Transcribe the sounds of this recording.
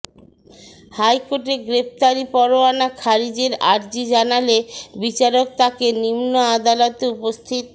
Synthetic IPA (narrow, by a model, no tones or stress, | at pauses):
hajkoʈeɡɾept̪aɾipɔɾoanakʰaɾid͡ʑeɾaɾd͡ʑid͡ʑanalebit͡ɕaɾok̚t̪akenimnoad̪alot̪eupost̪ʰit̪̚